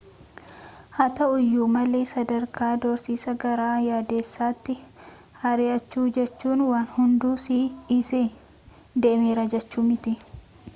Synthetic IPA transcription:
hɐt̪ɐʊjːuːmɐleːsɐd̪ɐɾkaːd̪ɔɾsiːsɐɡɐɾaːjaːd̪e̞ːsːaːt̪ːɪ | hɐɾɪʔɐt͡ʃːuːd͡ʒɛt͡ʃːuːnwaːnhʊnd̪uːsiːɪsɪ | d̪eːmeːɾɐd͡ʒɛt͡ʃːuːmɪt̪ɪ

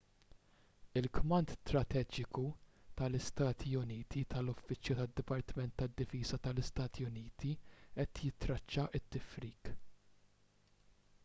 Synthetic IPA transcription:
ɪlkmɐnt̪t̪ɾɐt̪ɛːd͡ʒɪkut̪ɐlɪst̪ɐːt̪ʰiʊniːt̪ʰit̪ɐlɔfːɪt͡ʃjut̪ɐd̪ːɪpɐɾt̪ɪmɛnt̪ːɐd̪ːɪfiːzɐt̪ɐlɪst̪ɐːt̪ʰiʊniːt̪ʰiʔɛt̪jɪt̪ɾɐt͡ʃːɐʔɪt̪ːɪfɾiːk

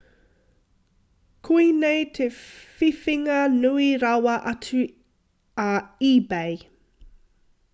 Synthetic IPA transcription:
kʰuinejt̪ʰefifiŋɐnuiɾɐwɐʔɐt͡sʉ | ɐiːbej

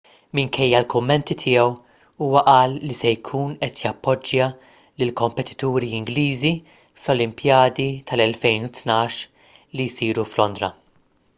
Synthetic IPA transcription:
mɪŋkʰɛjːɐlkʊmːɛnt̪it̪ʰɪːɛw | uːwɐʔɐːlːisɛjkʰuːnɛt̪jɐpːɔd͡ʒːjɐ | lɪlkɔmpɛt̪ɪ̥t̪uːɾiɪŋɡliːzi | flɔlɪmpjɐːd̪it̪ʰɐlɛlfɛjnut̪nɐːʃ | lijsiːɾuflɔnd̪ɾɐ̰

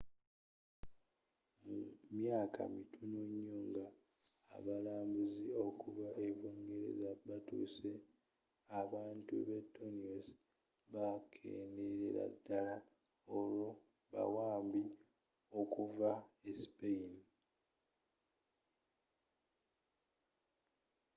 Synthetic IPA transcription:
mumjaːkʰa̰mitʰunuɲːoːŋɡa̰ː | βalaːmbuzio̞kuvaʔevuːŋɡe̞ɾe̞̰zaβatṵːse̞ | aβaːntuβetʰːonios | βakʰḛːnde̞ɾḛɾa̰dːala | olo | βa̰waːmbi | o̞kuvaesi̥peini

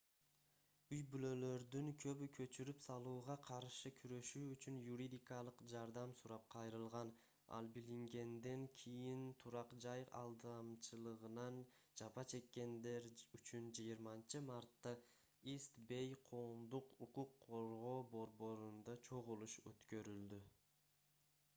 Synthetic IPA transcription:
yjbylø̞lø̞ɾd̪yŋkʰø̞βykʰø̞t͡ʃyɾypsɑlˠuːʁɑqʰɑɾʃɯkʰyɾø̞ʃyːt͡ʃynjuɾʲid̪ʲikɑlˠɯqd͡ʒɑɾd̪ɑmsuɾɑp̚qʰɑjɾɯlˠʁɑn | ɑ̰lˠbiliŋɡe̞nd̪e̞ŋkʲʰijint̪ʰuɾɑqd͡ʒɑjɑ̰lˠd̪ɑmt͡ʃɯlˠɯʁɯnɑnd͡ʒɑpɑt͡ʃʰe̞kːe̞nd̪e̞ɾyt͡ʃynd͡ʒijiɾmɑnt͡ʃɯmɑɾt̪ːɑ | ist̪be̞jqʰo̞ːmd̪uququqʰːoɾʁo̞ːbo̞ɾbo̞ɾund̪ɑt͡ʃʰo̞ʁulˠuʃø̰t̪kø̞ɾyld̪y

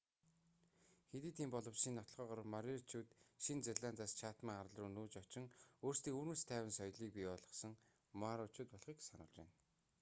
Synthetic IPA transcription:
xet̪iːt̪ʰiːmpɔɮɞ̆wsiːnːɔt̪̆ɮʁœːʁɔr̆maɾʲert͡ɕʰuːt̪ʃint͡serɮaːnt͡saːst͡ɕʰaːt̪miːŋaɾ̆ɮrʊːnuːt͡ɕɔt͡ɕɪ̆ŋoːr̥st̪iːŋuːɾnmuːst̪ʰæːwɘ̆nsɔjɮiːk̚piːɔɮʁɞ̆χsɞ̆ŋ | maɾɔt͡ɕʊːt̪̚pɔɮχiːksanʊ̰ːɮt͡ɕḛ̆n

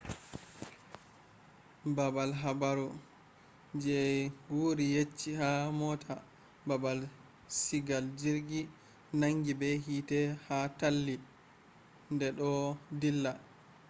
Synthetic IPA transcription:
babalɦabaɾu | d͡ʒɛɡuɾijet͡ʃːihamɔtʰa | babal | siɡald͡ʒiɾɡi | naŋɡibɛɦitɛhatalːi | ndɛɗɔdilːa

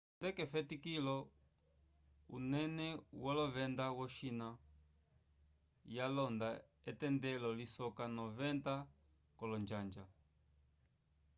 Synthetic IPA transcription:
ndɛkɛfɛtikilɔ | unɛnɛwalɔvɛndawɔʃina | jalɔnda | ɛtɛndɛlɔlisɔkanɔvɛnta | kɔlɔnd͡ʒand͡ʒa

